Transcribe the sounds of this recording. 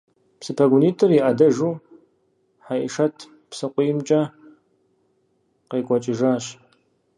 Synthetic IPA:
psɨpʰɐɡʷʊniːtʰɨriʔɐdɐʒuː | ħaʔɪʂɐtʰ | psɨqʷʊjmt͡ʃʼɐ | qɐjkʷʼɔt͡ʃʼɪʒaːɕ

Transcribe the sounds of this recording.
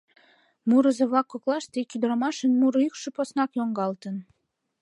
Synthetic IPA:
muɾə̆zĕβɑkːoklˠɑʃt̪ekʲyd̪ɾɑmɑʃənmuɾykʃə̆posnɑkjoŋɡɑlt̪ən

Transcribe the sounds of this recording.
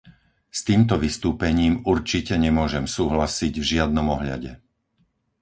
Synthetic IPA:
st̪iːmt̪ɔʋist̪uːpɛɲiːmuɾt͡ʃicɛɲɛmʊɔʒɛmsuːɦlasiɟvʒɪad̪nɔmɔɦʎa̰ɟɛ̰

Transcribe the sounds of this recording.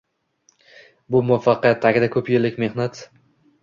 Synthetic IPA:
bʊmʊafaqɨjat̪ʰːaɡʲɪd̪akʰɵpjeɾlɪkʲme̞hnat̪

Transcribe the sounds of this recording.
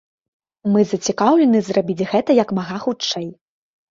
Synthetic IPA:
mɨzɐt͡sʲikawlʲɛnɨzrabʲid͡zʲɣɛt̪ɐjɐkmaɣaxut͡ʂt͡ʂɛj

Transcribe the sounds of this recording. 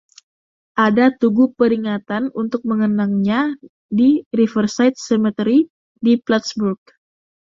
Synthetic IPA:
ʔadat̪uɡupəɾiŋat̪anunt̪ʊk̚məŋənaŋɲa | diɾifərsajt̪̚sɛmət̪əɾi | diplat̪sburk̚

